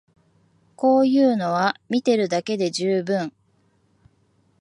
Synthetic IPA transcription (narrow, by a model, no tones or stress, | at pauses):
ko̞ːjɯ̟ːno̞βamʲit̪e̞ɾɯ̟d̪ake̞d̪e̞ʑɨːbɯ̟̃ŋ